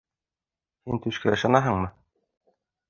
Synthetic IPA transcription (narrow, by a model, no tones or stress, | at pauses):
hint̪ʉʃkæɤ̆ʃɑnɑɦɤɴmɤ